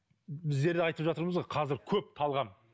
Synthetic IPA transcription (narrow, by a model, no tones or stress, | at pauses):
bɪzd̪e̞ɾd̪eɑjt̪əpʒɑt̪əɾməzʁɑqʰɑzɪɾkʲʰɵp̚t̪ʰɑlˠʁɑm